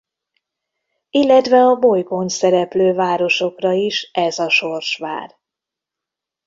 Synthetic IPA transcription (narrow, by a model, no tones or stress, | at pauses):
ilːɛt̪vɛɒbojkonsɛɾɛpløːvaːɾo̞ʃo̞krɒiʃɛzɒʃo̞rʃʋa̰ːr